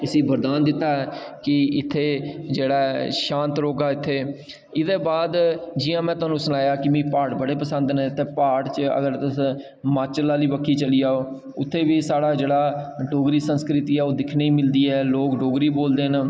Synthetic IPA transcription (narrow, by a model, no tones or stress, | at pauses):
ɪsĩːbəɾd̪aːnd̪ɪt̪ːaːɛkɪɪt̪ʰːeːd͡ʒeːɽaːʃãːnt̪ɾoːɡaːɪt̪ʰːeː | ɪd̪eːbaːd̪d͡ʒɪjãːmɛ̃ːt̪ʊaːnũːsənaːjaːkɪmĩːpaːʈbəɽeːpəsə̃nd̪nt̪ːeːpaːʈt͡ʃə̰ɡəɾt̪əs | maːt͡ʃlaːliːbəkʰːiːt͡ʃəliːaːoː | ʊt̪ʰːeːʋiːsaːɽaːd͡ʒeːɽaːɖoːɡɾiːsənskɾɪt̪iːɛːoːd̪ɪkʰneiːmɪld̪iːɛːloːkɖoːɡɾiːboːld̪eːn